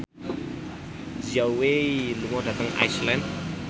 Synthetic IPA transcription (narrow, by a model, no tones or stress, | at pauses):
ziawwelumadat̪aŋa̰jsland̪